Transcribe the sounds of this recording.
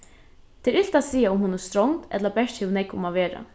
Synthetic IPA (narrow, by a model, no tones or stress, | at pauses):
t̪ʰɛːɾɪlt̪at̪siːjaʊmɦuːnʊst̪ɾɔŋt̪ɛ̰t̪lapɛʂt̪hɛːʋnɛkʊ̰maʋeːɾa̰